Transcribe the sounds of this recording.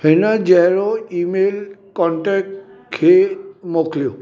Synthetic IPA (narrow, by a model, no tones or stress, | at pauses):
henad͡ʒɛɦɾɔimelkɔɳʈɛk̚ʈ | kʰemokʰlio